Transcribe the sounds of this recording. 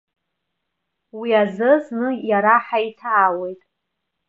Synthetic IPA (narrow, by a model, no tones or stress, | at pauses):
wiazɨznɨjaɾaħaitʰaːwe̞jtʼ